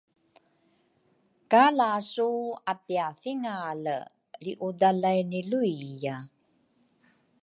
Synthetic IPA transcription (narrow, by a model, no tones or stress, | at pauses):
kalasuapiafiŋalə | ɾiʔudalajniluija